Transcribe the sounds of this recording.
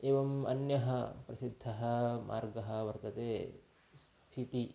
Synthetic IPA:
eːʋɐmɐ̰njɐɦɐpɾɐsid̪ʱːɐɦɐmʔa̰ːɾɡɐɦɐ̆ʋɐɾt̪ɐt̪eː | s | pʰit̪i

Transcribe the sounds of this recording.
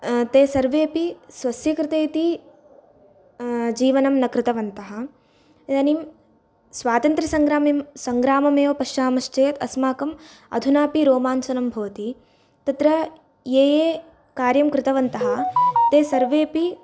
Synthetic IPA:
t̪eːsɐɾʋeːpisʋɐsjɐkɾɪt̪eːt̪i | d͡ʒiːʋɐnɐmnɐkɾɪt̪ɐʋɐnt̪ɐɦɐ̆ | t̪ɐnim | sʋaːt̪ɐnt̪ɾɐsɐŋɡɾaːmimsɐŋɡɾaːmɐmeːʋɐpɐʃt͡ʃaːmɐʃt͡ʃeːt̪ɐ̰smaːkɐm | ɐ̰d̪ʱunaːpiɾoːmaːnt͡ʃɐnɐmbʱɐʋɐt̪i | t̪ɐt̪ɾɐ | jeːjeː | kaːɾjɐmkɾɪt̪ɐʋɐnt̪ɐɦɐt̪eːsɐɾʋeːpi

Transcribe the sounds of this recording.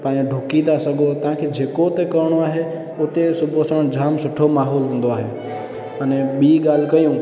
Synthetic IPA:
pãːɖʱʊkid̪asəɡot̪ãkʰed͡ʒeːkot̪ekəɾɽ̃oaːɦe | ot̪esʊbʱosəmɽd͡ʒʱaːmsʊʈʰomaɦoːlɦũːnd̪oaːɦe | əneɓiɡaːlkəjũ

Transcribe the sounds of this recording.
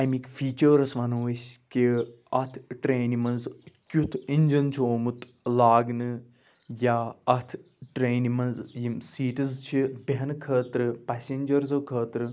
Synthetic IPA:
ɐjmikfiːt͡ʃəɾɐsʋɐnɐʋɐsʲki | ɐt̪ʰʈɾeːnimɐnzkʲut̪ʰinʲd͡ʒɐnt͡ʃʰoːmɨt̪ | laːɡnɨ | jaːɐt̪ʰ | ʈɾeːnimɐnzjimsiːʈɨzt͡ʃʰibɐɦɐnkʰəːt̪ɾɨpasʲenʲd͡ʒɐɾzɨkʰəːt̪ɾɨ

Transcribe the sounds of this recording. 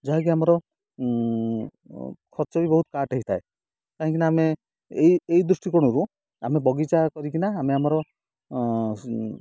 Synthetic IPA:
d͡ʒɔɦak̬iamɔɾɔ | kʰɔɾt͡ʃɔbibɔɦut̪kaʈɔɦit̪ʰae | kaɦĩŋkinaːme | eiejd̪ɾusʈikɔɽ̃uɾu | amebɔɡit͡ʃakɔɾikinaːmeamɔɾɔ

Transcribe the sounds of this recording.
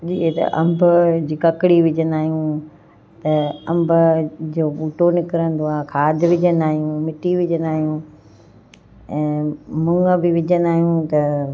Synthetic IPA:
d͡ʑiːɦet̪ɐ̰ʔɐ̰̃mbʱʊd͡ʑiːkɐkɪɽiʋɪd͡ʑənaːɦijũ | t̪ɐɐ̃mbʱʊd͡ʑoːɓuːʈonɪkɪɾə̃nd̪oãːkʰaːd̪ʱɪʋɪd͡ʑənaːɦijũmɪʈiʋɪd͡ʑənaːɦijũ | ɛ̃ːmʊ̃ŋɡəbɪʋɪd͡ʑənaːɦijũt̪ɐ

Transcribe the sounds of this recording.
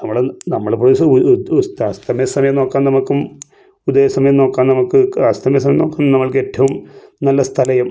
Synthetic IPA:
nɐmːɐɭnɐmːɐɭpoisst̪ɐst̪ʰɐmjɐsɐmɐjɐmno̞ːkːaːnnɐmukːum | ud̪eːɐsɐmɐjɐmno̞ːkːaːnnɐmukːɨɐst̪ʰɐmjɐs̬ɐmɐjɐmno̞ːkːaːnːnɐmːɐɭke̞ːtːɐʋumnɐlːɐst̪ʰɐlɐjum

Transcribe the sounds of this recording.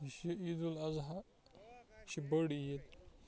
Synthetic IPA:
ɕiid̪ulɐzɦa | ɕibəɽijet̪̚

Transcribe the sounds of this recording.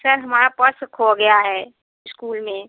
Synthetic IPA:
sɐɾɦɐmaːɾapɐskɦoɡɐjaɦɛː | ɪskuːlmẽ

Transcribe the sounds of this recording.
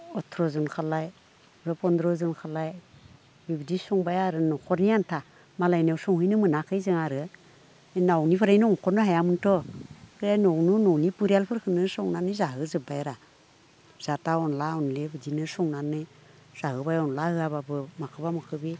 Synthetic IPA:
ɔtʰɾɔzɯnkʰalaj | ɾɯpɔndɾɔzɯnkʰalaj | bibidisɔŋbajaɾɯnɔkʰɔɾniantʰa | malajnawsɔŋhɯjnɯmɯnakʰɯjzɯŋaɾɯ | enawnipʰaɾajnɔŋɔkʰɔɾnɯɦajamɯntʰɔkʰɯɾajnɔwnunɔwnipuɾialpʰɯɾkʰɯnɯsɔŋnanɯzaɦɯzɯbajɾa | z̥ataɔnlaɔnlebɯdinɯsɔŋnanɯ | z̥aɦɯbajɔnlahɯaβabɯmakʰɯbamakʰɯbi

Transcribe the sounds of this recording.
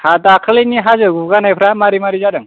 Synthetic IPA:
hadakʰaleniɦazɯɡuɡanajpʰɾamaɾimaɾizaɾɯŋ

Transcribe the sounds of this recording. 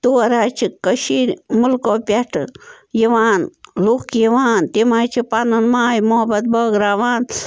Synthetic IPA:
t̪uwɐɾaːt͡ʃʰikəʃiɾmulkoːpʲjɐʈɨ | jiʋaːnlukjiʋaːnt̪imat͡ʃʰipanɨnmaːjmoɦɐbɐt̪̚bɐːɡɾaːʋaːn

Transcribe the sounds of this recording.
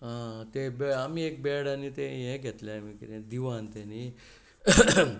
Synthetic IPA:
ɦãt̪ebamiːek̚bɛɽanːit̪eɦɛ̃ɡʱet̪lẽamikiɾẽd̪iʋant̪ɛni

